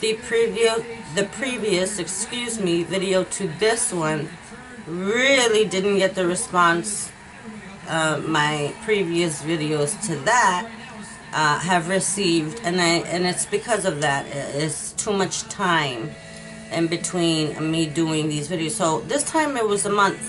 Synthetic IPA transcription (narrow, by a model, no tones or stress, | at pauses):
ðɨpʰɹ̥ivioðɨpʰɹ̥iviɨsɨkskjʉzmivɪɾioʊɾʰɨðɪswʌ̃n | ɹɪlˠidɪdⁿn̩ɡ̥ɛt̪̚ðɨɹɨspɑ̃ns | ʔʌvmaɪpʰɹ̥iviɨsvɪɾioʊz̥tʰɨðət̚ | ʔʌɦɨvɹɨsivdɨ̃naɪʔɨ̃nɨtsb̥ɨkʰʌzʌvðɨɾɪtstʰumʌt͡ʃtʰãɪ̃m | ɨ̃nbɨtʰw̥ĩnmiduɪ̃ŋðizvɪɾioʊz̥soʊðɪstʰãɪ̃mɨt̚wʌzəmʌ̃nθ